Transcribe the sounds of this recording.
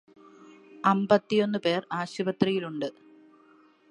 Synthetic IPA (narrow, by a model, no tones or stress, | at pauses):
ɐmbɐt̪ːijo̞nːɨpe̞ːraːɕubɐt̪rijiluɳɖɨ